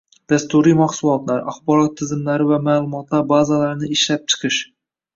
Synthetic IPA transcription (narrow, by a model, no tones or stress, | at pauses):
d̪̥ast̪uɾijmaχsulˠɒt̪laɾaχbɒɾɒt̪ʰːɪzɪmlaɾɪvamaːlˠʊmɒt̪lˠaɾbazalaɾnɪɪʃlap̚t͡ʃʰɨ̥qʰɨʃ